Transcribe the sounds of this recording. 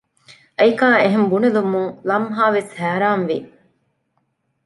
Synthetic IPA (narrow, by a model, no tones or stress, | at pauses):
ʔɐjkaːeɦembunelumuŋlɐmɦaːʋeshæːɾaːnʋi